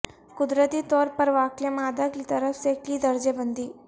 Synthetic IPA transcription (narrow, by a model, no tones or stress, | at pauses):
kʊd̪ɾət̪iːt̪ɔːɾpɐɾʋaːkljəmaːd̪akit̪əɾəfsekid̪ɐɾd͡ʒebənd̪iː